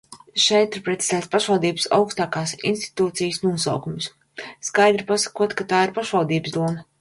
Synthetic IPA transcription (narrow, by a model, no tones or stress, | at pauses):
ʃɛjt̪iɾpɾɛt̪i̥zɛːt̪spaʃvalˠd̪iːbɨsa̰wkst̪aːkaːsḭnst̪i̥t̪uːt̪sijəsnuɔsa̰wkums | skajd̪ɾipasḁkuɔt̪kat̪aːiɾpaʃvalˠd̪iːbəsd̪uɔma